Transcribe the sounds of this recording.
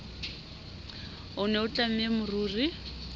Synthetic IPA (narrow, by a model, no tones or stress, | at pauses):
ʊnɛʊt͡ɬʼam̩emʊruːri